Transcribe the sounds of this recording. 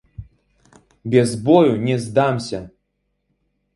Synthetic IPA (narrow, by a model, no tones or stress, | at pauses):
bʲɛzbɔjunʲɛzd̪amsʲɐ